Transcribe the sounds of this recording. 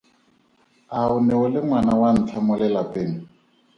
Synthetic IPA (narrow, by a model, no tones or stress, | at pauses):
aʊnɛʊlɪŋwanawan̩t͡ɬʰamʊlɛlapʼeːŋ̩